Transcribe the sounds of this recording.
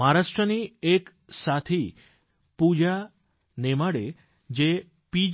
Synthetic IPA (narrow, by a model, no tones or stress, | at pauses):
aɾaʂʈɾəniek | sat̪ʰi | pud͡ʒa | nemaɽe | d͡ʒe | pid͡ʒ